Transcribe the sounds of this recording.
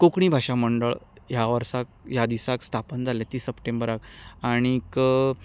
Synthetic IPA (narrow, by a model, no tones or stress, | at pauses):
kokɳ̃ibʱaʂaməɳɖəɭ | jaʋəɾsak̚jad̪isakst̪ʰapənd͡zʱalɛ̃t̪iːsəpʈembəɾakaɽ̃ik